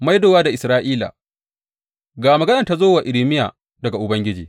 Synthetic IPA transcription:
ma˦jdoː˨waː˦da˨ʔɪ˨sɾaː˦ʔiː˦la̰˨ | ɡaː˨mɐ˨ɡɐ˦nɐ˨ta˦zoː˦wa˨ʔɪ˨lɪ˦mɪ˦ja̰ː˨ | dɐ˨ɡa˨ʔʊ˨bɐ˦ŋɡʲɪ˦d͡ʒiː˨

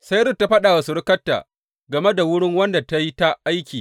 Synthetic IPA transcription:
sa˦jɾʊ˦˨tːa˦ɸɐ˦ɗa˨wa˨sʊ˨ɽɪ˦kɐ˦tːa̰ː˨ | ɡɐ˨me˦da˨wʊ˦ɽɪ˦ŋwɐ˦nda˨ta˦ji˦ta˦ʔa˦jkʲiː˨

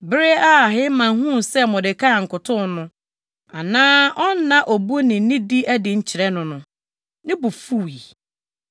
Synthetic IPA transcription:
bɾe˦a˦˨ɦɪ˦mã˨n˦ɦũ˦˨sɛ˦mʊ̃˨dɪ˨kʰa˦˨ŋ̩˨kʊ˨tʰʊ̃˦n˦nʊ̃˦ | a˨nãː˦ʔɔ˦n̩˦nã˨ʔo˨bu˦nɪ̃˨˦nɪ̃˦di˦ʔɛ˦dɪ˨ɲ̩˦t͡ɕʰɪ˨ɾɛ˦nʊ̃˨nʊ̃˨ | nɪ̃˦bu˨fu˦wi˨

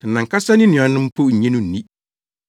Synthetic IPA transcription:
nã˨ŋ˨ka˦sa˦nɪ̃˦nʊ̃˨a˨nʊ̃˦m˦pʰo˦˨ɲɛ̃˦nũ˦n˨nĩ˦

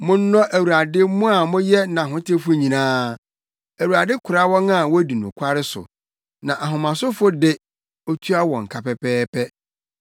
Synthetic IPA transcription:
mʊ̃˦n̩˦nɔ̃˦ʔæ˨wu˨ɾa˨dɪ˦mʊ̃˦a˨mʊ̃˦jɛ˦nã˨ɦʊ̃˦tʰɪ˦fʊ˦ɲĩ˨nãː˦ | æ˨wu˨a˨dɪ˦kʰʊ˨ɾa˦wɔ̃˦na˦˨wɔ˦di˨nʊ̰̃˨kʷʰa˦ɾɪ˦sʊ̰˨ | nã˨ʔa˨ɦʊ̃˨mã˨sʊ˦fʊ˦dɪ˦ | ɔ˦tʰu˦a˦wɔ˨ŋ̩˨kʰa˨pɛ˦pʰɛː˦pʰɛ˦

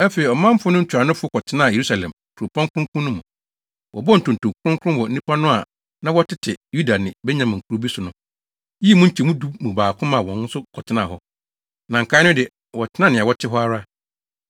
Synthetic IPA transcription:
æ˦fe˨i˨ɔ˨mã˦m̩˦fʊ˦nʊ̃˦ɲ̩˦t͡ɕʰᶣɾa˨nʊ̃˦fʊ˦kɔ˨tʰɪ˨˦nã˦˨e˨ɾu˦sa˨lɛ̰̃˨m | kʰu˨ɾo˨pʰɔ̃˦ŋkʰʊ̃˦kʰʊ̃˦nːʊ̃˦mũ˨ | wʔɔ̰˨bɔ˦n̩˨tʊ̃˨n˨tʰʊ̃˨kʰɾʊ̃˦ŋkʰʊ̃˦wɔ˨n̩˦nĩ˦pʰa˦nʊ̃˦a˨ | nã˦wɔ˦tɪ˦tʰɪ˨ju˦da˨nɪ̃˨bɛ˦ɲã˨mã˨ŋ̩˨kʰu˨ɾo˨bi˦sʊ˨nʊ̃˨ | ji˦e˦˨mũ˦ɲ̩˦t͡ɕʰi˨mũ˦du˦mũ˨baː˨kʰʊ̃˦mã˨wɔ̃˨nn̩˦sʊ˦kʰɔ˨tʰɪ˨˦nã̰˦˨ɦɔ˦ | nã˨ŋ̩˨kʰa˦nʊ̃˦dɪ˨ | wɔ˨tʰɪ˦nã˦nɪ̃˨a˨wɔ˦tʰɪ˦ɦɔ˦a˦ɾa˦

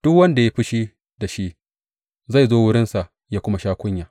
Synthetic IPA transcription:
d̥ʊ˦kwɐ˦nda˨ja˦ɸɪ˦ʃi˦ | da˨ʃi˦ʔ | za˦˨jzoː˦wʊ˦ɽɪ˦nsa˨ʔ | jaː˦kʷʊ˦ma˦ʃaː˦kʷʊ˦ɲjaː˨

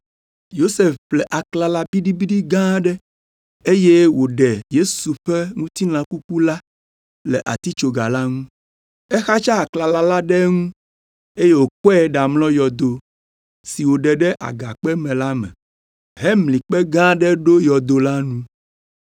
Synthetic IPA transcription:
jo˦se˨fplɛ˨ʔa˨kla˨la˦bi˦ɖi˦bi˦ɖi˦ɡã˦ɖɛ˦ | e˦je˦wo˨ɖɛ˨je˦su˨ɸɛ˦ŋũ˦t̪i˦nã˨ku˦ku˦la˦ | lɛ˨ʔa̰˨t̪i˦t͡ʃo˨ɡa˨la˦ŋũ˦ | ɛ˦xa˦t͡ʃa˦a˨kla˨la˦la˦ɖɛ˦ŋũ˦ | e˦je˦wo˨k͡pɔ˦ɛ˦ɖa˨mlɔ̃˦jɔ˨d̪o˨ | si˨wo˨ɖɛ˨ɖɛ˦ʔa̰˨ɡa˨k͡pɛ˦mɛ̃˨la˦mɛ̰̃˨ | ɦɛ˦mlĩ˨k͡pɛ˦ɡã˦ɖɛ˦ɖo˦jɔ˨d̪o˨la˦nũ˦

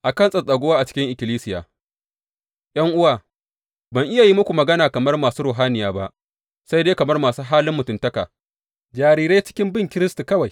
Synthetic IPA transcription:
ʔa˨kɐ˦nsʼɐ˨sʼɐ˨ɡʷo˦waː˦ʔa˨t͡ʃɪ̥˦kʲɪ˦ŋʔɪ˨kʲɪ˨liː˦sɪ˦ja̰ː˨ | ʔj̰ɐ˦ŋʔʊ˦waː˨ | bɐ˨ŋʔɪ˦ja˨ji˦mʊ˦kʷu˨mɐ˨ɡɐ˦naː˨kɐ˨mɐ˦rmaː˨suː˦ɾʊː˨ɦaː˦nɪ˨jaː˦ba̰˦ʔ | sa˦jdeː˦kɐ˨mɐ˦rmaː˨suː˦ɦaː˦lɪ˦mːʊ˨tʊ˨ntɐ˦ka̰ː˨ | d͡ʒaː˨ɾiː˦ɾe˦jt͡ʃɪ̥˦kʲɪ˦mbɪ˦˨ŋkʲɪ˦ɾɪ˦stu˨kɐ˦wa˨j

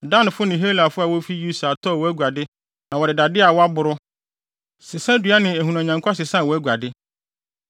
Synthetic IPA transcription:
da˦nɪ̃˨fʊ˦nɪ̃˨ɦe˦la˨fʊ˦a˨wo˦fi˦ju˦sa˨tʰɔ˦˨wɔ˦æ˦ɡʷa˨dɪ˦ | nã˨wɔ˨dɪ˨da˨dɪ˦a˨wɔ˦a˦bʊ˨ɾʊ˦ | sɪ˨sã˦dɥa˦nɪ̃˨æ˨hu˨nã˨ɲã˨ŋkʷʰa˦sɪ˨sã˦˨wɔ˨˦æ˦ɡʷa˨dɪ˦

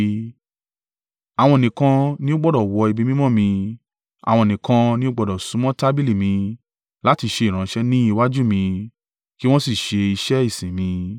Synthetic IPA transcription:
a˨w̃ɔ̃˧o˨nĩ˨kã˧nĩ˦o˦ɡ͡bɔ˦˨dɔ˨wɔ˧i˧bi˦mĩ˦mɔ̃˦˨mĩ˧ | a̰˨wɔ̃˧˨ĩ˨kã˧nĩ˦o˦ɡ͡bɔ˧dɔ˨sũ˨˦mɔ̃˦ta˦bi˦li˦˨mĩ˧ | la˨˦ti˧ʃe˧i˨ɾ̃ã˨˦ʃɛ˦nĩ˦i˧wa˦d͡ʒu˦˨mĩ˧ | ki˦w̃ɔ̃˦si˦˨ʃe˧i˧ʃɛ˦i˦˨sĩ˨mĩ˧

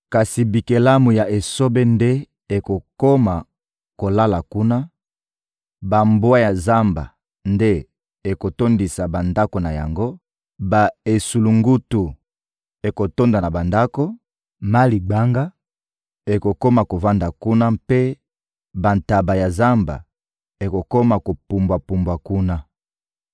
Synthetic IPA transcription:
ka˨si˨bi˨ke˨la˦mu˨ja˨ʔe˨so˦be˦nde˦ | e˨ko˨ko˦ma˨ | ko˨la˦la˨ku˦na˦ | ba˨mbwa˦ja˨za˦mba̰˨ | nde˦ | e˨ko˨to˦ndi˨sa˨ba˨nda˦ko˨na˨ja̰˨ŋɡo˦ | ba˨e˨su˨lu˨ŋɡu˦tu˨ | e˨ko˨to˦nda˨na˨ba˨nda˦ko˦ | ma˦li˨ɡ͡ba˦ŋɡa˦ | e˨ko˨ko˦ma˨ko˨va˦nda˨ku˦na˦mpe˦ | ba˨nta˨ba˨ja˨za˦mba̰˨ | e˨ko˨ko˦ma˨ko˨pu˨mbwa˨pu˨mbwa˨ku˦na˦

